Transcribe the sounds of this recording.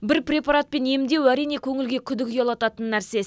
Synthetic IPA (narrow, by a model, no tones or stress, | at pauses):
bɪɾprʲe̞paɾat̪̚pe̞ne̞md̪e̞wæɾijne̞kʲʰɵŋɪlɡʲe̞kʲʰʏd̪ɪkʲjolˠɑt̪ɑt̪ənːæɾse̞s